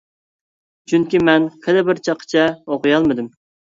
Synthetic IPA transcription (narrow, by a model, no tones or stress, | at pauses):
t͡ʃʰyŋkʲimɛnkʰɪd̪ɛbɪɾt͡ʃʰɑqʰːə̥t͡ʃʰɛoqʊjɑlˠmɨd̪ɨm